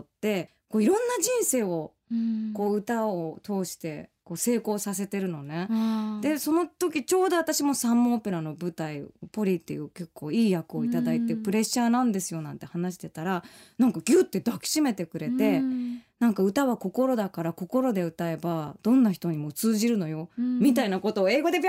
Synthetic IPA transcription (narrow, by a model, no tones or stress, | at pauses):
t̪ːe̞ | koːiɾõ̞nːad͡ʑĩɰ̃se̞ːo̞ | ko̞ːɯ̟t̪aot̪ʰo̞ːɕi̥t̪e̞ko̞ːse̞ːko̞ːsase̞t̪e̞ɾɯ̟no̞ne̞d̪̥e̞so̞no̞t̪o̞k̬ʲit͡ɕo̞ːd̪o̞βat̪aɕimo̞sãmːoːpe̞ɾano̞bɯ̟t̪aiopo̞ɾʲit̪ːe̞̰jɯ̟ːke̞kʰːo̞ːiːjakɯ̟o̞it̪atd̪ait̪epɯ̟ɾe̞ɕːaːnãnd̪e̞sɨjo̞nãnt̪e̞hanaɕ̬i̥t̪e̞t̪aɾanãŋkaɡ̥ʲɯːt̪ːe̞d̪akʲi̥ɕime̞t̪e̞kɯ̟ɾe̞t̪e̞nãŋkaɯ̟t̪aβako̞ko̞ɾo̞d̪akaɾako̞ko̞ɾo̞d̪e̞ɯ̟t̪ae̞bad̪̥õnːaçi̥t̪o̞ɲ̟imo̞t͡sɨːʑiɾɯ̟no̞jo̞mʲit̪ainako̞t̪o̞ːe̞ːɡo̞d̪e̞pʲ